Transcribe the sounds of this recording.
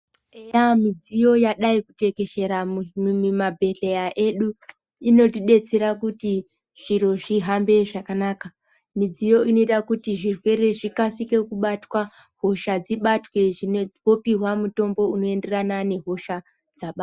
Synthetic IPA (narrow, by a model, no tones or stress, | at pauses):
ejamid͡zijo̞jaɗaikute̞ke̞ʃe̞ɾamimabʱe̞ɮejaʔe̞ɗu | ino̞tiɗe̞t͡se̞ɾakuti | ʐ̥iɾo̞ʐiɦambe̞ʐakanaːka | mid͡zijo̞ino̞itakutiʐirwe̞ɾe̞ʐikasike̞kuɓatwa | ɦo̞ʃad͡ziɓatwe̞ʐino̞piɦwamuto̞mbo̞uno̞e̞nde̞ranane̞ɦo̞ʃa | d͡zaɓa